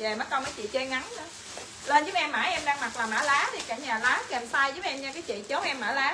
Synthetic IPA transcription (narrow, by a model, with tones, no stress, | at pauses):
ve˨˩maː˨˦˥ka˧wməː˨˦jt͡ɕḭ˧˨t͡ɕe˧ŋa˨˦nə˧ | ləː˧nzɨ˨˦˥ʔɛ˧mːaː˧˩jʔɛ˧mɗaː˧ŋma˨˩k̚laː˨˩maː˧˩laː˨˦t̪ʰi˨˩ka˧˩ɲaː˨˩laː˨˦kə˨˩msaː˧jzɨ˨˦ʔɛ˧mt͡ɕa˧kaː˨˦jt͡ɕḭ˧˨t͡ɕə˨˦wʔɛ˧mːaː˧˩laː˨˦